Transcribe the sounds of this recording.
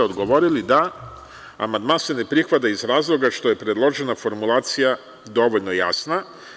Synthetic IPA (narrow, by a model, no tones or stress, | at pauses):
o̞d̪ɡo̞ʋo̞ɾilid̪a | a̰mand̪manse̞ne̞pɾixʋat̪̬aizɾaːzlˠo̞ɡaʃt̪o̞je̞pɾe̞d̪lˠo̞ʒe̞nafo̞ɾmulˠaːt̪sija | d̪o̞ʋoʎno̞ja̰sna